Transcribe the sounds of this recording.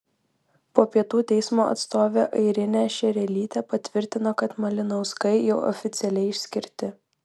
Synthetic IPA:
poːpʲiɛt̪uːt̪ʲɛɪsmoːʔɐ̰t̪st̪oːʋʲeːʔɐɪɾʲɪnʲæːʃʲɛɾʲɛlʲiːt̪ʲepɐt̪ʲʋʲɪɾʲt̪ʲɪnoːkɐt̪mɐlʲɪnɐʊskɐɪjɛʊʔɔ̰fʲɪt̪sʲɛlʲɛɪɪʃʲsʲkʲɪɾʲt̪ʲɪ

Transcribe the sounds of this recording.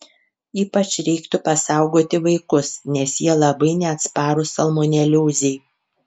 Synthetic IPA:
iːpɐt͡ʃɾʲɛɪkt̪ʊpɐsɑˑʊɡoːt̪ʲɪʋɐɪkʊsnʲɛsjiɛlˠɐbɐɪnʲɛɐt̪spɑːɾʊsɐlˠmonʲɛlʲuːzʲɛɪ

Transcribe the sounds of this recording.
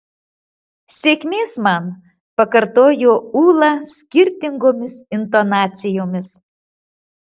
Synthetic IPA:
sʲekmʲesmɑn | pəkərt̪ojoulˠɑskʲirʲt̪ʲiŋɡomʲesint̪onɑt͡sʲijomʲes

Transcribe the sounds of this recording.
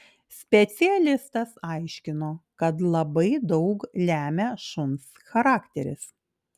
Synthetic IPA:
sʲpʲɛt̪sʲɪɛlʲɪst̪ɐsɐɪʃʲkʲɪnoːkɐt̪lˠɐbɐɪd̪ɒʊklʲæːmʲɛʃʊns | xɐɾɑːkt̪ʲɛɾʲɪ̰s

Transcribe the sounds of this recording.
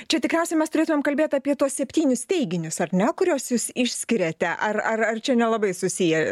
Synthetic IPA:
t͡ʃʲɛt̪ʲɪkɾʲɛʊsʲɛɪmʲɛst̪ʊɾʲeːt̪ʊmeɛmkɐlʲbʲeːt̪ɐpʲiɛt̪uɔssʲɛpʲt̪ʲiːnʲʊst̪ʲɛɪɡʲɪnʲʊsɐrnʲɛkʊɾʲuɔsjuːʃsɪʃʲsʲkʲɪɾʲɛt̪ʲɛʔɐrɐrɐrt͡ʃʲɛnʲɛlˠɐbɐɪsʊsʲijɛ

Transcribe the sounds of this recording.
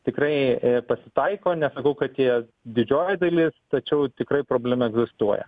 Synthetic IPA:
t̪ʲɪkrɐɪpɐsʲɪ̥t̪ɐɪkoːnʲɛsɐkɐʊkɐt̪jiɛ | d̪ʲɪd͡ʒʲoːjɛd̪ɐlʲɪst̪ɐt͡ʃʲɛʊt̪ʲɪkɾɐɪpɾoːbʲlʲɛmɐɛɡzʲɪst̪uɔjɛ̰

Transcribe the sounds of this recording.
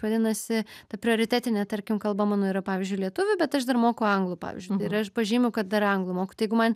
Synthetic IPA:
ʋɐd̪ʲɪnɐsʲɪt̪ɐpʲɾʲɪoːɾʲɪt̪ʲæːt̪ʲɪnʲɛt̪ɐɾʲkʲɪmkɐlˠbɐmɑːnoːiɾɐpɑːʋʲɪzʲd͡ʒʲʊɪlʲiɛt̪ʊʋʲʊbʲɛt̪ɐʃd̪ɐrmoːkʊɐŋɡlˠʊpɑ̰ːʋʲɪ̰zʲd͡ʒʊt̪ɪɪɐʃpɐʒʲiːmʲɛʊkɐt̪̚d̪ɐɾɐŋɡlˠʊmoːkʊ̥t̪jɛɪɡʊmɐn

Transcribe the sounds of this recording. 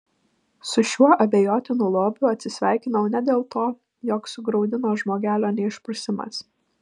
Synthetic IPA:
sʊʃʲuɔʔɐbʲeːjoːt̪ʲɪnuːlˠoːbʲʊɐt̪ʲsʲɪsʲʋʲæˑɪkʲɪnɐʊnʲɛd̪ʲeːlˠt̪oː | jɔːksʊɡɾɒʊd̪ʲɪnoːʒmoːɡʲæːlʲoːnʲɛɪʃpɾʊsʲɪmɐ̰s

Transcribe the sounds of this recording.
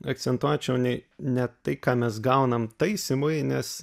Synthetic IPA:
ɐk̪sʲɛnt̪uɔt͡ʃʲɛʊnʲɛɪnʲɛt̪ɐɪkɑːmʲɛsɡɐʊnɐmt̪ɐɪsʲɪmʊɪnʲɛs

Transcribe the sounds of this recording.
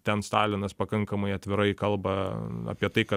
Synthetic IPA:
t̪ʲɛnst̪ɑːlʲɪnɐspɐkɐŋkɐmɐɪɐt̪ʲʋʲɪɾɐɪkɐlˠbɐa̰ːpʲiɛt̪ɐɪkɐ

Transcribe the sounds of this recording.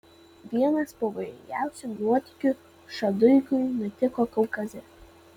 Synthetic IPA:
ʋʲiɛnɐspɐʋɐjɪ̰ŋʲɡʲæˑʊsʲʊnuɔt̪ʲɪkʲʊ | ʃɐd̪ʊɪkʊɪnʊt̪ʲɪkɔːkɐʊkɐzʲɛ

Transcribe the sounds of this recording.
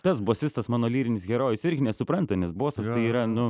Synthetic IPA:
t̪ɐsboːsʲɪst̪ɐsmɑːnoːlʲiːɾʲɪnʲɪsɡʲɛɾoːjʊsɪɾʲɡʲɪnʲɛsʊpɾɐnt̪ɐnʲɛsboːsɐst̪ɐɪiːɾɐnʊ

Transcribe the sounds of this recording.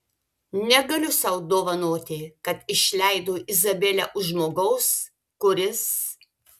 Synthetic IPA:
nʲɛɡɐlʲʊsɐʊd̪oːʋɐnoːt̪ʲɪkɐt̪ɪʃʲlʲæɪd̪oːʔɪzɐbʲɛlʲɛʔʊmoːɡɐʊs | kʊɾʲɪs

